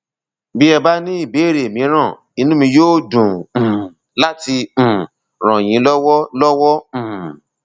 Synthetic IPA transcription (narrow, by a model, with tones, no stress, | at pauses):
bi˦ɛ˧ba˦nĩ˦i˦˨be˨˦˨ɾe˨mĩ˨˦ɾ̃ã˦˨ | i˦nũ˦mĩ˧joː˦dũ˨ | la˦tĩ˧˨ | ɾ̃ã˨j̃ĩ˨˦lɔ˦wɔ˦lɔ˦wɔ̃˦˨